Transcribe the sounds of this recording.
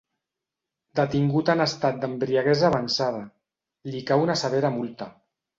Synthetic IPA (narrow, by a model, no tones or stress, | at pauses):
d̪ət̪iŋɡut̪anəst̪at̪̚d̪əmbɾiaɣɛzaːβansað̞a | likawunasaβeɾamulˠt̪a